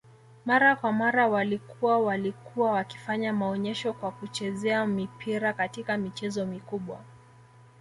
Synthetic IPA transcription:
maɾakwamaɾawalikuawalikuwawaki̥faɲamaɔɲɛʃɔkwakut͡ʃɛzɛamipʰiɾakatikamit͡ʃɛzɔmikuɓwa

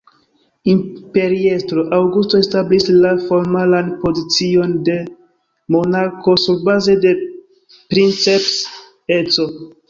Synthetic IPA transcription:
impe̞ɾiestɾoʔawɡusto̞establislafo̞ɾmalanpo̞zit͡sio̞nde̞ | mo̞naɾko̞suɾbaze̞de̞ | pɾint͡seps | et͡so̞

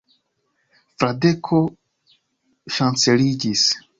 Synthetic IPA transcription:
fɾade̞kʰo | ʃant͡se̞lid͡ʒis

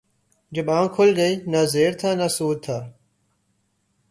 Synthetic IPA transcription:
d͡ʒɐbãːŋkʰʊlɡəiːnazeːɾt̪ʰaːnasuːd̪̚t̪ʰaː

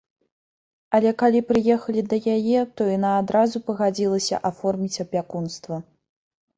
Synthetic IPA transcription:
ɐlʲɛkalʲipɾɨjɛxɐlʲid̪ɐjajɛt̪ɔinaːd̪ɾazupɐɣad͡zʲilˠɐsʲɐ̰ʔafɔrmʲit͡sʲɐpʲakunst̪vɐ

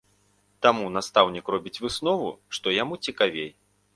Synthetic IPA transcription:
t̪amunast̪awnʲikrɔbʲit͡sʲvɨsnɔvṵʂt̪ɔjamut͡sʲikavʲej

